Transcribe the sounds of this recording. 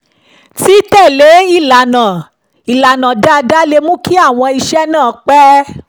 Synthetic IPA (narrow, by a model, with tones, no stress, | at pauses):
ti˦tɛ˦˨le˨˦i˦˨la˨nã˨ | i˨la˨nã˨da˦˧da˦le˧mũ˦ki˦a˦˨w̃ɔ̃˧i˧ʃɛ˦nãː˦˨˦k͡pɛ˦